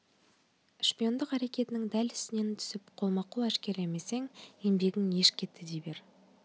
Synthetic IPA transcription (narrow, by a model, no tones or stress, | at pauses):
ʃpijo̞nd̪əqæɾe̞kʲe̞t̪ɪnɪŋd̪ælɪ̥st̪ɪne̞nt̪ʰʏ̥sɪpqʰo̞lˠmɑqulˠæʃkʲe̞ɾleme̞se̞ŋje̞mbe̞ɡʲɪŋe̞ʃkʲʰe̞t̪ʰːɪd̪ejbe̞ɾ